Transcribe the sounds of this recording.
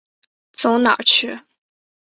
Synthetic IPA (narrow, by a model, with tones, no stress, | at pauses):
t͡sʊ˧˥ʊnɑ̰˨˩t͡ɕʰy˥˩